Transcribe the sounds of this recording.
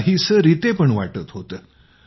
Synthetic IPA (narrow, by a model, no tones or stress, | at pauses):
ɦisəɾit̪epəɳʋaʈət̪ɦot̪ə